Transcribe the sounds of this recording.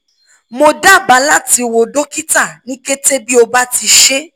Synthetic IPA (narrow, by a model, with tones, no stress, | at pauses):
mo˧da˦˨ba˨˦la˦˨ti˨˧wo˨do˦ki˦ta˦˨nĩ˦ke˦te˦bi˦o˧ba˦ti˧ʃe˦